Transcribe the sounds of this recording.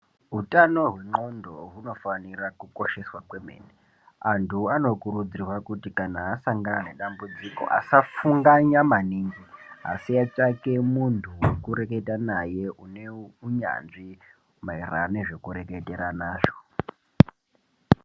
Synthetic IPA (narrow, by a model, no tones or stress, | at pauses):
ɦutano̞ɦweŋ͡ǃo̞ndo̞ɦuno̞fanirakuko̞ʃe̞swakwe̞mḛne | antʰuano̞kuɾud͡zirwakutikanaːsaŋɡanane̞ɗambud͡ziko̞̰ʔa̰safuŋɡaɲamaniːŋɡiɦa̰siat͡ʃake̞muntʰuwekuɾe̞ke̞tanajeuneuɲa̰nʐi | maira̰neʐe̞kuɾe̞kete̞ɾanaːʐo̥